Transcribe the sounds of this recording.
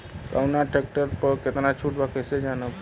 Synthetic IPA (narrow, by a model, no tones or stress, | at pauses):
ka̰wnaʈɾek̚ʈəɾpəket̪ənat͡ʃʰuʈbakesed͡ʒanəp